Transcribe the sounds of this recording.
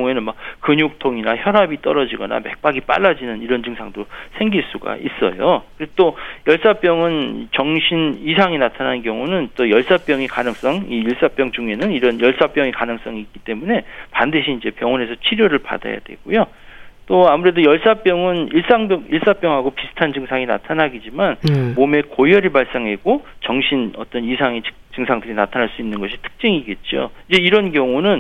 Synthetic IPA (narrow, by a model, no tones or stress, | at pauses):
ŋe̞nɯnmak̚kɯɲok̚tʰoŋinaçjʌɾɦabit͈ʌɾʌd͡ʑiɡʌ̰na̰me̞̰k̚p͈aɡip͈a̰ɭːad͡ʑinɯniɾʌnd͡ʑɯŋsʰaŋdosʰe̞ŋɡiɭs͈uɡa̰is͈ʌ̰jokɯɾt͈ojʌɭs͈ap͈jʌŋɯn̰t͡ɕʌŋɕʰinisʰaŋinatʰanankjʌŋunɯnt͈ojʌɭs͈ap͈jʌŋekanɯŋs͈ʌŋiːɭs͈ap͈jʌŋd͡ʑuŋe̞nɯniɾʌnjʌɭs͈ap͈jʌŋekanɯŋs͈ʌŋiːk͈it͈e̞mune̞pandɯɕʰiːnd͡ʑe̞pjʌŋwʌne̞sʰʌt͡ɕʰiɾjoɾɯɭpa̰da̰ja̰dwe̞̰ɡ̥ujo | t͈oamuɾe̞dojʌɭs͈ap͈jʌŋɯniɭs͈aŋbjʌŋiɭs͈ap͈jʌŋɦaɡopisʰɯ̥tʰand͡ʑɯŋsʰaŋina̰tʰanaɡid͡ʑimanmome̞kojʌɾiɭbaɭs͈aŋɦe̞ɡot͡ɕʌŋɕʰinʌt͈ʌnisʰaŋi̥ | t͡ɕɯŋsʰaŋdɯɾinatʰanɦaɭs͈uinːɯnɡʌɕʰi̥tʰɯ̥k̚t͡ɕ͈ɯŋiɡe̞t̚t͡ɕ͈o̰id͡ʑe̞iɾʌnkjʌŋunɯn